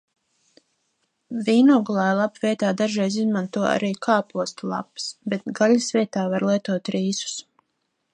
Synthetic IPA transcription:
viːnɔɡulˠaːjlˠapvʲiɛt̪aːd̪aʒɾɛjzizmant̪uɔa̰ɾiːkʰaːpuɔst̪lˠa̰psbet̪̚ɡalisvʲiɛt̪aːvaɾlˠiɛt̪uɔt̪ɾiːsu̥s

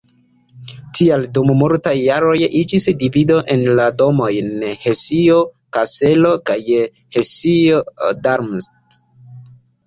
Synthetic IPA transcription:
tʰialdummultajːaɾo̞jid͡ʒisdivido̞ʔe̞nlado̞mo̞jnhe̞siokase̞lo̞kaj | hesiodaɾmst

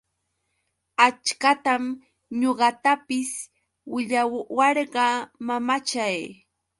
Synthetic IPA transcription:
at͡ʃkat̪am | ɲoɢɑt̪apɪs | wɪʎawɑɾɢɑmamat͡ʃaj

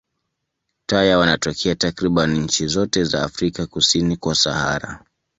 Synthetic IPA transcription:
tajawanatɔkʰɛatakɾiɓaniɲ̩t͡ʃizɔtɛzaːfɾikakusinikwasaha̰ɾa̰

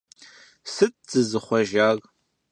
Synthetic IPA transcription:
sɨt̚ʼz̥ɨzɨχʷɔʒaːɣʼ

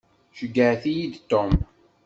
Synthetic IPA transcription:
ʃəɡːəʕθijid̪t̪ːom

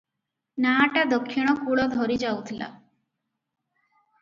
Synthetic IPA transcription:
naːʈad̪ɔkʰːiɽ̃ɔkuɭɔd̪ʱɔɾid͡ʒawt̪ʰilʔa̰

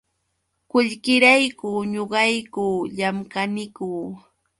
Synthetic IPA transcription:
kʊʎkɪɾajkuːɲoɢɑjkuːʎamkanɪkuː

